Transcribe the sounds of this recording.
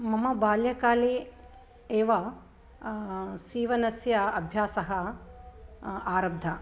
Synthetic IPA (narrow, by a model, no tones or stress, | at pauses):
mɐmɐbaːljɐkaːleː | eːʋɐ | siːʋɐnɐsjɐɐbʱjaːsɐɦɐ | aːɾɐb̚d̪ʱɐ